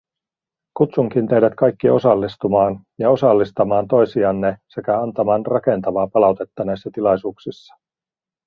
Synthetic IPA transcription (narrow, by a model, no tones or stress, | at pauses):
kut̪suŋkint̪ejdæt̪kɑjkːio̞sɑlːist̪umɑːn | jɑo̞sɑlːist̪ɑmɑːnt̪o̞jsiɑːnːese̞kæɑnt̪ɑmɑːnrɑke̞nt̪ɑʋɑːpɑlɑwt̪e̞t̪ːɑnejsːæt̪ilɑjsuːksisːɑ̥